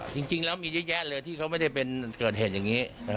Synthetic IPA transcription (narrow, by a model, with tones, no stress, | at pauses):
t͡ɕi˧ŋt͡ɕi˧ŋlɛː˦˥wmiː˧j̚jɛ˦˥ʔlɤː˧jt̪ʰiː˥˩kʰa˦˥wma˥˩jda˥˩jpe˧nkɤː˨˩t̪̚heː˨˩t̪̚ja˨˩ŋːiː˦˥˦